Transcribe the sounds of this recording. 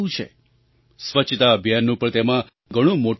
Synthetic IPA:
ũt͡ʃʰḛ | sʋət͡ʃʰt̪aəbʱijanːũpəɳt̪emã | ɡʱəɽ̃ũmoʈ

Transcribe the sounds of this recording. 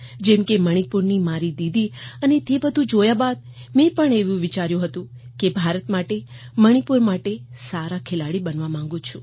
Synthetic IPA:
d͡ʒɛmkeməɽ̃ipuɾnimaɾid̪id̪ʱiənet̪ebəd̪ʱũd͡ʒojabad̪̚ | mɛ̃pəɳeʋũʋit͡ʃaɾjũɦət̪ũ | kebʱaɾət̪maʈe | məɽ̃ipuɾmaʈesaɾakʰelaɽibənʋamãŋ̆ɡũt͡ʃʰũ̥

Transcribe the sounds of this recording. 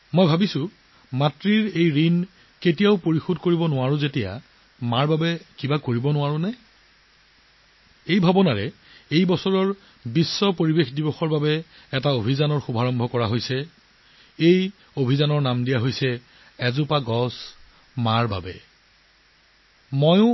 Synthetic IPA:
mojbʱabisʊ̃ | matɹiɹejɹin | ketijaʊpoɹixodkoɹibɔnʊaɹʊ̃zetija̰ | maɹbabɛkibakoɹibɔnʊwaɹʊnɛ | ejbʱabɔnaɹɛ | ejbɔsɔɹɔɹ | bisːɔpoɹibexdibɔxɔɹbabɛ | ɛtaobʱizanɔɹxubʱaɹɔmbʱɔkɔɹaɦojsɛ | ej | obʱizanɔɹnamdijaɦojsɛ | ɛzʊpaɡɔs | maɹba̰bɛ̰ | mɔjʊ̃

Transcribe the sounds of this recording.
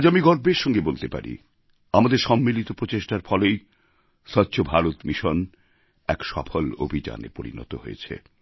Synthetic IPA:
d͡ʑamiɡɔɾbeɾʃɔŋɡebolt̪epa̰ɾḭ | amad̪eɾʃɔmːilit̪opɾot͡ɕeʃʈaɾfɔlej | ʃɔtːɕʰobʱaɾot̪miʃon | ɛkʃɔfʰolo̰bʱid͡ʑa̰nḛpoɾḭnɔ̰t̪o̰ɦojḛt͡ɕʰḛ

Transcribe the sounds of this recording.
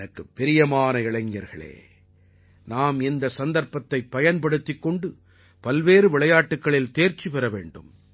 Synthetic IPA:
nɐkːɯpːɛɾɪjɐmaːnɐɪɭɐŋɪjɐɾɣɐ̰ɭḛː | naːmɪnd̪ɐsɐnd̪ɐɾpɐt̪ːɐɪpːɐjɐnpɐɽɯt̪ːɪkːɔɳɖɯ | pɐlʋeːɾɯʋɪɭɐjaːʈːɯkːɐɭɪlt̪eːɾt͡ʃipɛɾɐʋḛːɳɖɯ̰m

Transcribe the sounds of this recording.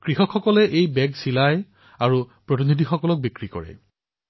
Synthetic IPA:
kɹixɔkʰxɔkɔlɛʔejbɛɡsilaj | aɹupɹɔtinidʱixɔkɔlɔk̚bikɹikɔ̰ɹɛ̰

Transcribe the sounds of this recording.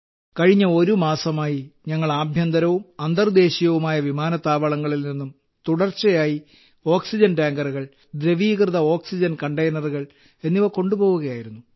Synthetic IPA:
kɐɻiɲːɐo̞ɾumaːsɐmaːjiɲɐŋːɐɭaːbʱjɐnd̪ɐɾɐʋumɐnd̪ɐrd̪e̞ːɕijɐʋumaːjɐʋimaːnɐt̪ːaːʋɐɭɐŋːɐɭilninːum | t̪uɽɐrt͡ɕːɐjaːji | o̞ːksid͡ʑɐnʈaːŋɡɐruɣɐɭ | d̪ɾeʋiːɣrɨðɐo̞ːksid͡ʑɐnkɐɳʈejnɐruɣɐɭ | e̞nːiʋɐko̞ɳɖubo̞ːɣuɣɐjaːjiɾunːu

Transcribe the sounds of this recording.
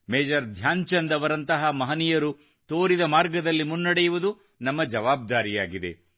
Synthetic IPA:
meːd͡ʒɐɾd̪ʱjaːɲt͡ʃɐnd̪ɐʋɐɾɐnt̪ɐɦɐmɐɦɐnijɐɾu | t̪oːɾid̪ɐmaːɾɡɐd̪ɐlːimunːɐɽejuʋud̪u | nɐmːɐd͡ʒɐʋaːb̚d̪aːɾijaːɡid̪e̞̰

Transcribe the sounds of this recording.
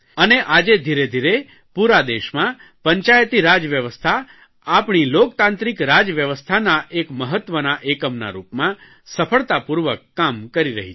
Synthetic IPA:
əneʔad͡ʒed̪ʱiɾed̪ʱiɾe | puɾad̪eʃmã | pəɲt͡ʃajt̪iɾad͡ʒʋjəʋəst̪ʰa | apɳilokt̪ãnt̪ɾikɾad͡ʒʋjəʋəst̪ʰanaʔekməɦət̪ʋənaʔekəmna̰ɾupmã | səfʰəɭt̪apuɾʋəkːamkəɾiɾə̰ɦi

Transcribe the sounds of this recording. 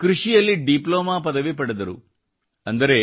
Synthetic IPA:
kɾuʂijɐlːiɖiplɔːmaːpɐd̪ɐʋipɐɽɐd̪ɐɾṵ | ɐnd̪ɐɾeː

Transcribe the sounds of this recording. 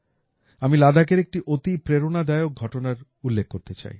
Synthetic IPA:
amilad̪ak̬eɾek̚ʈiʔot̪ipɾeɾonad̪aeok̚ɡʱɔʈonaɾ | ulːek̚ːoɾt̪et͡ɕa̰j

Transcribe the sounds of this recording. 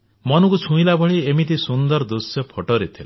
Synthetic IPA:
mʌnukut͡sʰũĩlabʌɽiemit̪̬isund̪ʌrd̪usjʌpʰʌʈoɾet̪ʰḛl

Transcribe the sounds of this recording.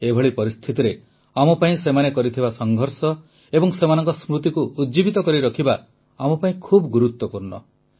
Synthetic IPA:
ebʱɔɭipɔɾist̪ʰit̪iɾe | amɔpaĩsemanekɔɾit̪ʰibasɔŋɡʱɔɾsɔ | ebɔŋsemanɔŋkɔsmɾut̪ikuʔːdd͡ʒibit̪ɔkɔɾiɾɔkʰiba | amɔpaĩkʰubɔɡuɾut̪wɔpuɾnɔ̰

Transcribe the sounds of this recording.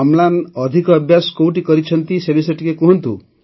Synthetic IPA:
ɔmlanɔd̪ʱikɔːbʱjaskowʈikɔɾit͡ʃʰɔnt̪isebiseʈikekuɦɔnt̪ṵ

